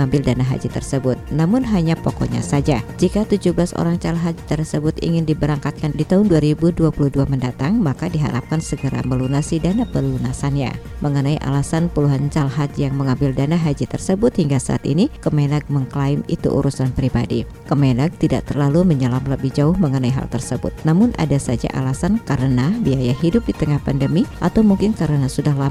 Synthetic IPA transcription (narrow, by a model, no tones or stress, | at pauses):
ambɪldanaɦa̰d͡ʒit̪ərsəbʊt̪̚namʊnɦaɲapokɔ̰ɲa̰sad͡ʒad͡ʒikat̪ud͡ʒubəlaso̰ɾaŋt͡ʃalɦad͡ʒt̪ərsəbʊt̪ḭŋɪndibəɾaŋkat̪̚kandit̪aɦʊnduaɾibuduapuluhduaməndat̪aŋmakadiɦa̰ɾa̰p̚kansəɡəɾa̰məlunasidanapəlunasanɲa̰məŋənaiʔa̰lasanpuluɦant͡ʃalɦad͡ʒ̪jaŋməŋambɪldanaɦad͡ʒit̪ərsəbʊt̪̚hiŋɡasa̰ʔa̰t̪ḭnikəmenaɡ̚məŋklaɪmḭt̪ṵʔṵɾʔusanpɾibadi | kəmenaɡ̚t̪ida̰ʔt̪ərlaluməɲəlamləbɪhd͡ʒaʊhməŋənaiɦa̰lt̪ərsəbʊ̰t̪̚namʊnʔa̰dasad͡ʒa̰ʔa̰lasankaɾənabiajaɦidʊp̚dit̪əŋahpandəmiʔat̪awmuŋkɪnkaɾənasudahla